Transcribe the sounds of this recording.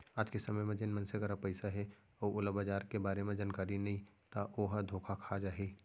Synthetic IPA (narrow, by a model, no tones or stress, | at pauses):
aːd͡ʒkesɐməjmẽd͡ʒɪnmə̃nseɡəɾapəɪsaɦɛ | oʊləbad͡ʒaːɾkebaːɾemẽd͡ʒaːnkaːɾinɐɦĩ | t̪aʔoːɦd̪ʱoːkʰakʰad͡ʒaːɦe